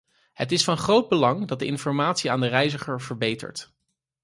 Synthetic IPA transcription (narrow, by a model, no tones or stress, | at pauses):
ɦətɪsfɑnχrowd̚bəlɑŋdɑt̚dəɪnfɔɹmaːtsiaːndərɛjzəχəɹvəɹbejtə̰ɹt